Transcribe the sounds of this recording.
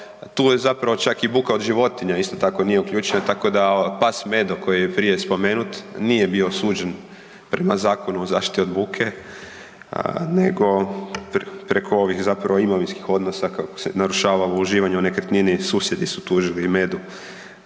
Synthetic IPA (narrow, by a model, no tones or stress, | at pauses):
t̪uːjezapɾaʋo̞t͡ʃakibuːkao̞d̪ʒiʋo̞t̪iɲaist̪o̞t̪ako̞nije̞ukʎuːt͡ʃenat̪ako̞d̪apasme̞d̪oko̞jijepɾije̞spo̞me̞nut̪nije̞bio̞suːd͡ʒen | pɾʔe̞mazaːko̞nuozaːʃt̪i̥t̪io̞d̪buːkʰe̞ | ne̞ɡo̞ppɾekʰo̞o̞ʋixzapɾaʋoimoʋinskixo̞d̪nosakako̥sḛnaɾuʃaːʋalouʒiːʋaɲɛonekəɾt̪ninisuːsje̞d̪isut̪uːʒilime̞d̪u